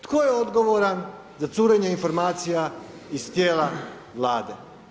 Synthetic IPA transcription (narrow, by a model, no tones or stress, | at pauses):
t̪kojeod̪ɡo̞ʋoɾan | zat̪suːɾeɲeinfo̞ɾmaːt̪sija | iz̥t̪jeːla | ʋlaːd̪e